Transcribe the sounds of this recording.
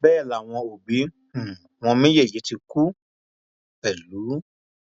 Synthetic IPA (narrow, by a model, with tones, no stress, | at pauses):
bɛː˦˨la˨w̃ɔ̃˧o˨bĩ˨˦˨ | w̃ɔ̃˧mĩ˦je˦˨je˨˦ti˧ku˦ | bɛ˨lu˨˦